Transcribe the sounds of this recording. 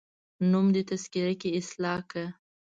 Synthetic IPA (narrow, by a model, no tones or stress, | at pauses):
numd̪ət̪askɪɾakeɪslɑka